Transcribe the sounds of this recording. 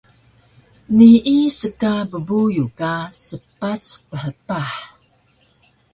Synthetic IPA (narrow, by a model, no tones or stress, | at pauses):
niʔisəkabəbujukasəpat͡spəħəpaħ